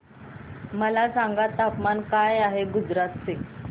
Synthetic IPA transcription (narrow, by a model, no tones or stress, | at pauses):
məlasaŋɡat̪apmankajaɦeɡud͡zɾat̪t͡se